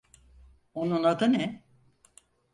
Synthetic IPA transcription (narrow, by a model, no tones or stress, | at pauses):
onunad̪ɯnɛ